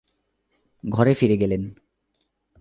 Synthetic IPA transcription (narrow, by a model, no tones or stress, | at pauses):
ɡʱɔɾefiɾeɡelen